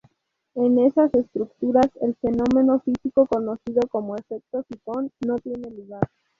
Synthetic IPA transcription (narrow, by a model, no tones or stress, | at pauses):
e̞ne̞sase̞st̪ɾukt̪uɾase̞lfe̞no̞mẽ̞no̞fisiko̞ko̞no̞siðo̞ko̞moefe̞k̚t̪o̞sit̪o̞nːo̞t̪je̞ne̞luɣaɾ